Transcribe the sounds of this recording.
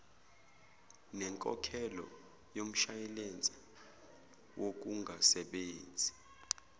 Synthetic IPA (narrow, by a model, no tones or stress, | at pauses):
nɛŋkʼɔ̰kʰɛlɔ̰ | jom̩ʃajɛlend͡zʱi | wʔok̬uŋɡʱasɛɓeːnd͡zʱi